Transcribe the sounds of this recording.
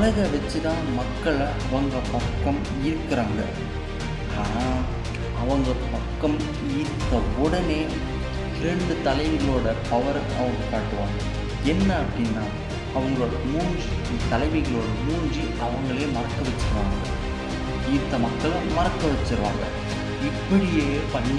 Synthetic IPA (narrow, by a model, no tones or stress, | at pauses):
ɐlɐɣɐʋɐt͡ʃːɯt̪ãːnmɐkːɐɭɐʋɐŋɡɐpɐkːɐm | ɪɾɯkːɪɾaːŋɡɐ̰ | kaːnaː | ɐʋɐŋɡɐpɐkːɐm | iːɾt̪ːɐɔɽɐneː | ɾɛɳɖɯt̪ɐlɐɪɣɪloːɽɐpɐʋɐɾ | ɐʋɐŋɡɐkːaːʈːɯʋaːŋɡɐ | ɛnːɐɐpːɐɽɪnːaː | ɐʋɐŋɡɐɭoːɽɐmuːɲd͡ʒi | t̪ːɐlɐɪmɐɣɐɭoːɽɐmuːɲd͡ʒiʔɐʋɐŋɡɐɭeːmɐɾɐkːɐʋɛt͡ʃːɪɾɯʋaːŋɡɐ̰ɭ | iːɾt̪ːɐmɐkːɐɭmɐrɐkːɐʋɐt͡ʃːɯɾɯʋa̰ːŋɡɐ̰ | ɪpːɐɽɪjeː | pɐnː